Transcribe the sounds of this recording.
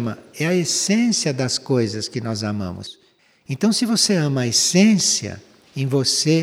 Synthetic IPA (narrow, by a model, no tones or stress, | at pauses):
mɐɛɐesẽsiɐd̪ɐskojzɐskɪnɔzamɐ̰̃mʊ̰s | ẽnt̪ɐ̃w̃sɪvoseɐ̃mɐesẽsiɐ̰ | ẽj̃vose